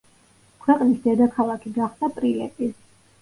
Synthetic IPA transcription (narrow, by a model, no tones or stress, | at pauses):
kʰwɛqʼnisd̪ɛd̪akʰalˠakʰiɡaχd̪apʼɾilɛ̰t̪ʼi